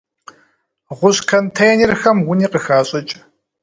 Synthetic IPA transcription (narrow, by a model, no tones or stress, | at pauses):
ʁʷʊɕkʰɐntʰɐjɛnirxɐmwʊniːqəxaːɕʼɪt͡ʃʼ